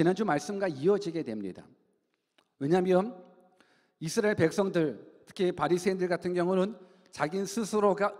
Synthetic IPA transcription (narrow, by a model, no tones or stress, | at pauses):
t͡ɕinand͡ʑumaɭs͈ɯmɡwaiʌd͡ʑiɡe̞dwe̞mɲḭda̰ | weɲamiʌm | isʰɯɾaeɭpe̞k̚s͈ʌŋdɯɭtʰɯ̥kʰipaɾisʰeindɯɭɡatʰɯnɡjʌŋunɯn | t͡ɕaɡinsʰɯsʰɯɾoɡa